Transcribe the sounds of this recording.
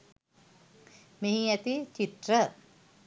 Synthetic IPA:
meɦiæt̪it͡ɕiʈ̪rə

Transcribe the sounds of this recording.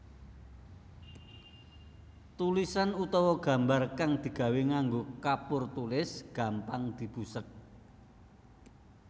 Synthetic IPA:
t̪ulisanut̪ɔwɔɡ̥ä̤mbarkaŋd̪̥i̤ɡ̥a̤weŋaŋɡokapʊrt̪ulɪsɡ̥a̤mpaŋd̪̥i̤b̥usək̚

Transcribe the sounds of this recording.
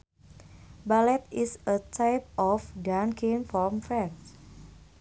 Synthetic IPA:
balɛt̪isət̪ʰajp̚ʔɔfdankʰĩnfɔmfɹɛ̃ns

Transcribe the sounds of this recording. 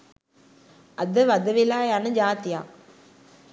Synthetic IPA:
ɐd̪ɐʋɐd̪ɐʋilaːjaːnɐd͡ʒaːt̪ja̰ː

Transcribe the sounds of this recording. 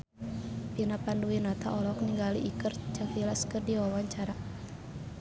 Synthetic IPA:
pinapanluinat̪ʰaʔɔlɔkniŋɡalḭʔːkərt͡ʃakilaskɨrdiwawaɲt͡ʃaɾa

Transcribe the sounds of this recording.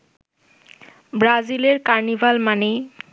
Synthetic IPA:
bɾazileɾkaɾnibʱalmane

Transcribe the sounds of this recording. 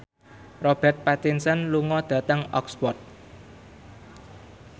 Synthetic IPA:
rɔb̥ɛrt̪̚pat̪insənluŋɔd̪̥ä̤t̪əŋɔ̰kspɔt̪̚

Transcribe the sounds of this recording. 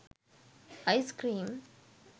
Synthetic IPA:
ɐɪskɾĩːm

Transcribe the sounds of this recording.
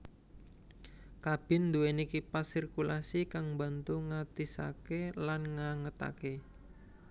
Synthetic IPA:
kab̥ɪ̤nd̪uenikipasirkulasikaŋmba̤nt̪uŋat̪isa̰kelanŋaŋət̪a̰ke

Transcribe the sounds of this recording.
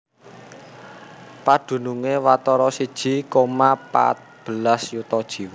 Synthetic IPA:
pad̪̥ṳnuŋewat̪ɔɾɔsid̥ʒ̥i̤komapa̰t̪̚b̥ə̤lasjut̪ɔd̥ʒ̥i̤w

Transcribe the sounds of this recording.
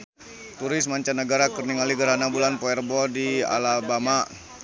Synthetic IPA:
t̪uɾɪsmaɲt͡ʃanəɡaɾakərniŋaliɡəɾanabulanpɔɛrbɔdia̰labama

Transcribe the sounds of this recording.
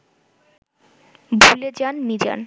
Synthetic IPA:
bʱuled͡ʑanmid͡ʑa̰n

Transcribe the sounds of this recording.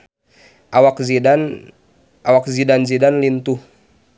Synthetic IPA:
ʔawakzian | ʔawak̚zidanzidanlint̪uh

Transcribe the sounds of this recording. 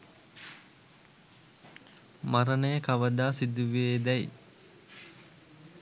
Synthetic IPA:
maɾənəjəkaʋəd̪aːsid̪uʋieːd̪ɛj

